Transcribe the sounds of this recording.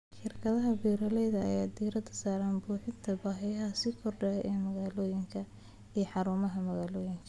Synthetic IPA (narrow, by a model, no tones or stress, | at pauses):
ʃɪrkʰɐðɐɦɐbiːɾɐlɛjðɐɐ̰jaːd̪iːɾɐd̪ɐsaːɾaːnbuːħɪnt̪ʰɐbaːɦɪjɐɦɐsɪkʰɔrɖɐɛʔɛːmɐɣaːlɔːjɪŋkʰɐ | ijɔħɑɾuːmɐɦɐmɐɣaːlɔːjɪŋkʰɐ